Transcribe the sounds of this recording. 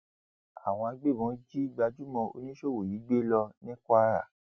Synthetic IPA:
a˨w̃ɔ̃˧a˧ɡ͡be˦˨bɔ̃˨˦d͡ʒi˦ɡ͡ba˧d͡ʒu˦mɔ̃˧o̰˧nĩ˦ʃo˦˨wo˨jiː˨˦ɡ͡be˦lɔ˧nĩ˦kʷa˦ɾa̰˨

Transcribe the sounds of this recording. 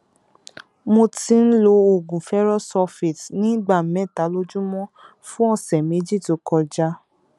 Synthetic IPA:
mo˧ti˧˦n̩˦lo˧o˨ɡũ˨fɛ˦ɾɔ˦sɔ˧fi˨tnĩ˦ɡ͡ba˦˨mɛ̃˦˨ta˨˦lo˦d͡ʒũ˦mɔ̃˦ | fũ˦ɔ˦˨sɛ˨mẽ˨˦d͡ʒi˦˨to˨˦kɔ˧d͡ʒa˦

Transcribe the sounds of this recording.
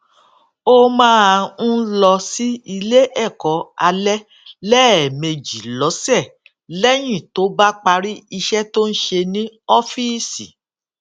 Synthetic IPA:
o˦mãː˦a˧ũ˦lɔ˧si˦i˧le˦ʔɛ˦˨kɔ˨a˧lɛ˦ | lɛ˦ɛ˨me˧d͡ʒi˨lɔ˨˦sɛ˦˨ | lɛ˦j̃ĩ˦˨to˨˦ba˦k͡pa˧ɾi˦i˧ʃɛ˦to˦n̩˦ʃe˧nĩ˦ɔ˦fi˦sḭ˨

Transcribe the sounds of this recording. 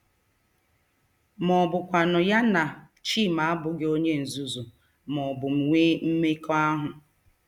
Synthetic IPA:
mɔ˨bʊ˨kʷa˨nʊ˨ja˦na˨ | t͡ʃi˦˨ma˨a˦bʊ˨ɡe˦o˦ɲe˦n̩˨zu˨zu˨ | mɔ˨bʊ˨m̩˨ŋʷe˦m̩˦me˦kɔ˦a˦ɦʊ˨

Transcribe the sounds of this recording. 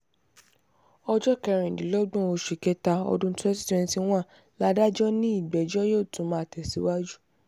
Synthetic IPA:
ɔ˧d͡ʒɔ˦kɛ˧ɾ̃ĩ˨dĩ˨˦lɔ˦ɡ͡bũ˦˨o˧ʃi˨kɛ˧ta˧ɔ̰˧dũ˦tɛ˦si̥˦tɛ̃˧sĩ˧˦w̃ã˦˨ | la˧da˦d͡ʒɔ˦nĩ˦i˦˨ɡ͡bɛ˨d͡ʒɔ˦joː˦˨tũ˨˦mã˨˦˨tɛ˨si˨˦wa˦d͡ʒu˦

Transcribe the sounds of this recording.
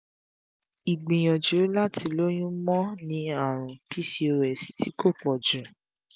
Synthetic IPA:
i˨ɡ͡bĩ˨j̃ɔ̃˨d͡ʒo˨˦la˦ti˧lo˦j̃ũ˦mɔ̃˦nĩ˧˦a˦˨ɾ̃ũ˨pi˦si˧˦o˧ɾɛ˨si̥˨˦ti˨˦ko˦˨k͡pɔ˨d͡ʒũ˨

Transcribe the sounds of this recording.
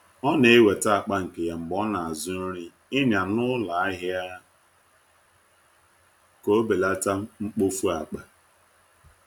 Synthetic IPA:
ɔ˦ne˨e˦we˨ta˦a˨k͡pa˦ŋ̩˨ke˨ja˨ŋ͡m̩˨ɡ͡bɔ˦na˨a˨zʊ˦n̩˦ɾɪ˦ | ɪ˦nja˨nʊ˦la˨a˦ɦɪ˦a˦ | ko˦be˨la˦ta˦ŋ͡m̩˦k͡po˦fu˦a˨k͡pa˦

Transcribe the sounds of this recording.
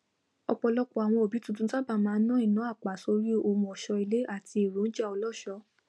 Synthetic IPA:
ɔ˧k͡pɔ˧lɔ˦kɔ˧a˨w̃ɔ̃˧o˨bi˨˦tũ˦˧tũ˦ta˦ba˦˨mãː˨˦nã˦ĩ˦˨nã˨˦a˦˨k͡pa˨so˧ɾi˦o˧˨mũ˧ɔ˨ʃɔ˧˦i˧le˨˦ʔa˦˨ti˧e˨ɾu˨˦n̩˦d͡ʒa˦˨ɔ˧lɔ˦˨ʃɔ˧˦

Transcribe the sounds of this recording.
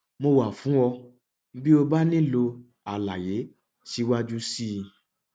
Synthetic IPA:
mo˧wa˨fũ˨˦wɔ˧˦ | bi˦o˧ba˦nĩ˦lo˧ | a˨la̰˨je˨˦ | ti˧wa˦d͡ʒu˦si˦˧

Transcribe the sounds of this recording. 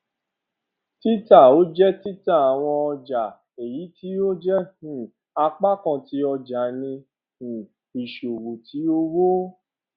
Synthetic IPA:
ti˦ta˦˨o˦d͡ʒɛ˦ti˦ta˦˨a˨w̃ɔ̃˧ɔ˧d͡ʒa˨ | e˨ji˨˦tʰi˨˦o˦d͡ʒɛ˦hũ˨ | a˧k͡pa˦kã˧˨ti˨˦ɔ˧d͡ʒa˨nĩ˧ | hũ˨ | i˨ʃo˨wo˨tʰi˨˦o˦wo˦

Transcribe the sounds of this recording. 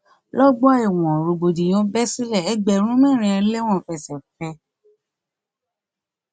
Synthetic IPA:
lɔ˦ɡ͡bɔ˦a˦i˨w̃ɔ̃˨ɾo˧ɡ͡bo˨di˨j̃ɔ̃˨˦bɛ˦si˦lɛ˦˨ɛ˦ɡ͡bɛ˨ɾ̃ũ˦mɛ̃˦˨ɾ̃ĩ˧˦ɛ˧˦le˦w̃ɔ̃˦˨fɛ˧˨sɛ˨fɛ˧

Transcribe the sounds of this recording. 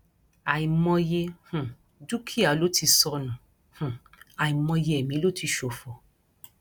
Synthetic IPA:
a˨ĩ˨mɔ̃˧je˧hũ˨ | du˦kʰi˦a˨˦lo˨˦ti˧sɔ˧nũ˨ | hũ˨ | a˨i˨mɔ̃˧je˧ɛ˨mĩ˨˦lo˦ti˧ʃo˨fɔ˨

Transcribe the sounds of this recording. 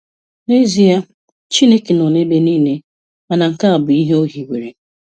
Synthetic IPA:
ne˦zi˦a˦ | t͡ʃi˦ne˦ke˨no˨ne˦be˦niː˦ne˦ | ma˨na˨ŋ̩˨ka˦a˨bʊ˨i˦ɦe˦o˦ɦi˨wʷe˨ɾe˨

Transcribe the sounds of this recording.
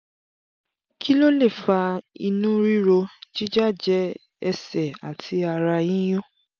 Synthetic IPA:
ki˦lo˦le˦˨fa˧ḭ˧nũ˦ɾi˦ɾo˧t͡ʃi˦d͡ʒa˦˨d͡ʒɛ˨˦ | ɛ˧sɛ˨a̰˨tʰi˧a˧ɾa˧jĩ˦j̃ɔ̃˦

